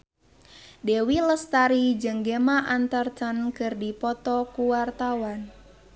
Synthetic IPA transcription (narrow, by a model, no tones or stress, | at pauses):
dɛwiləst̪aɾid͡ʒəŋɡemaʔant̪ərt̪ənkɨrdipɔt̪ɔkuwart̪awan